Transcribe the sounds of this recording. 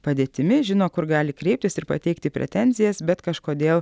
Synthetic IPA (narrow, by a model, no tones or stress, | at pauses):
pɐd̪ʲeːt̪ʲɪmʲɪʒʲɪnoːkʊɾɡɑːlʲɪkɾʲɛɪp̚t̪ʲɪsɪɾpɐ̰t̪ʲɛɪkt̪ʲɪpʲɾʲʔɛ̰t̪ʲɛnʲzʲɪjɛsbʲɛt̪kɐʃkoːd̪ʲeːlˠ